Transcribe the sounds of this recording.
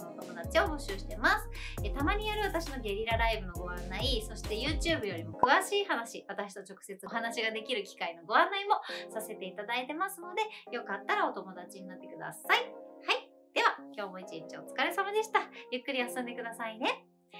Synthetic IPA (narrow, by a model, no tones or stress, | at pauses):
noot̪o̞mo̞d̪at͡ɕio̞bo̞ɕɨːɕi̥t̪e̞masɨ̥et̪amaɲ̟ijoɾɯat̪aɕino̞ɡʲe̞ɾʲiɾaɾaibɯ̟no̞ɡo̞βãnːaiso̞ɕi̥t̪e̞jɯ̟ːt͡ɕɨːbɯjo̞ɾʲimo̞kɯ̟βaɕiːhanaɕiβat̪aɕi̥t̪o̞t͡ɕo̞kɯ̟̥se̞t͡sɨoɦanaɕiɡad̪e̞kʲiɾɯ̟kʲi̥kaino̞ɡo̞ãnːaimo̞sase̞t̪e̞it̪ad̪ait̪e̞masɨno̞d̪e̞jo̞kat̪ːaɾao̞t̪o̞mod̪at͡ɕiɲ̟inat̪ːe̞kɯ̟d̪a̰saihai | d̪̥e̞βakʲo̞ːmo̞it͡ɕĩɲt͡ɕio̞̰t͡sɨ̥kaɾe̞samad̪e̞ɕi̥t̪ajɯ̟kːɯ̟ɾʲiasõnd̪e̞kɯ̟d̪asaine̞